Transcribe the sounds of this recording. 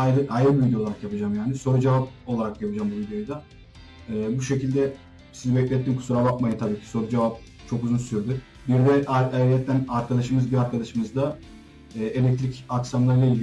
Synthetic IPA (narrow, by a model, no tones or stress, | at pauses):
ajɾɯʔajɾɯbivild̪ʲjo̞lˠaɾakjapʰɯd͡ʒaːmjaːniso̞ɾud͡ʒevap̚o̞lˠaɾakjapɯd͡ʒambuvid̪jojd̪a | ɛːbuʃe̞cilʲd̪ɛ | sizibɛclʲɛt̪ːiːmkʰu̥suɾabakmajɯt̪ʰabiːcʰiso̞ɾud͡ʒe̞vap̚ | t͡ʃʰo̞kuzunsyɾd̪y | biɾd̪ɛaajʲɛt̪ʰːænaɾkʰad̪aʃɯmɯzbiɾaɾkʰad̪aʃɯmɯzd̪a | ɛːe̞lʲɛc̚t̪ɾicaksamlˠaɾɯlailʲ